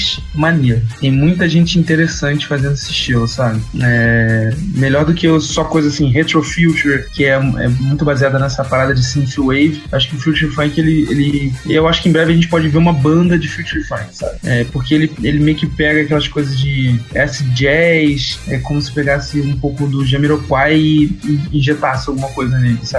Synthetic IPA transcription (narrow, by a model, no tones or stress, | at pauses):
ʃ | maneɾʊt̪ẽj̃mũj̃t̪ɐʒẽnt͡ʃɪĩt̪eɾesɐ̃nt͡ʃɪ̥fazẽnd̪esɪʃt͡ʃilʊsabɪɛ | meʎɔɾd̪ʊkɪsɔkojzɐasĩɦet̪ɾofiwt͡ʃuɾkɪɛɛ̰mũj̃t̪ʊbaziad̪ɐnɛsɐpaɾad̪ɐd͡ʒɪsĩnsiwejvɪewaʃʊ̥kɪʊfjuwt͡ʃuɾfɐ̃kelɪḛlɪewaʃʊ̥kɪẽbɾɛvɪɐʒẽnt͡ʃɪpɔd͡ʒɪveɾũmɐbɐ̃nd̪ɐd͡ʒɪfjut͡ʃuɾfɐ̃jksa̰bɪɛpoχkeelɪelɪmejʊkɪpɛɡɐaːkɛlɐskojzɐzd͡ʒɪɛsɪd͡ʒɛʃɛkõmʊsɪ̥peɡasɪũpowkʊd̪ʊʒɐmiɾokwajɪɪĩʒet̪asɪawɡũmɐkojzɐnelɪsabɪ